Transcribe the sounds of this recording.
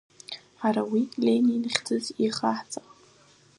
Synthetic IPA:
ħaɾawilʲeninχʲd͡zɨziχaħt͡sʼaqʼ

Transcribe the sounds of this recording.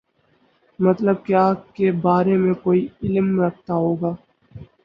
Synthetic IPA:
mɐt̪ləb̚kjaːkebaːɾemẽkoːiɪlmɾɐk̚ʰt̪aɦoːɡaː

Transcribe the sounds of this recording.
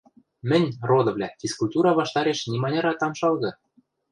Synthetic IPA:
mɘ̆nʲrod̪ɤ̆vlʲæfʲiskulʲt̪uɾɑβɑʃt̪ɑɾeʃnʲimɑnʲɑɾɑt̪ɑmʃɑlˠɣɤ̆

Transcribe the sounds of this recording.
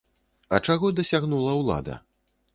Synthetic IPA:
ɐt͡ʂaɣɔd̪ɐsʲaɣnulˠɐwlˠa̰d̪ɐ̰

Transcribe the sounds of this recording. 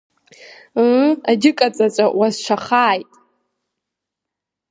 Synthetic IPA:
adʲɪkʼat͡sʼat͡ʃʷʼawazʃʷʰaχaːjtʼ

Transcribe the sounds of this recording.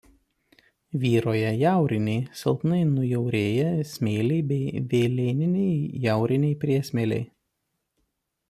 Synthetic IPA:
ʋʲiːɾoːjɛjæˑʊɾʲɪnʲɛɪsʲɛ̰lˠp̪nɐɪnʊjɛʊɾʲeːjɛsʲmʲeːlʲɛɪbʲɛɪʋʲeːlʲeːnʲɪnʲɛɪjæˑʊɾʲɪnʲɛɪpʲɾʲiɛsʲmʲeːlʲɛ̰ɪ

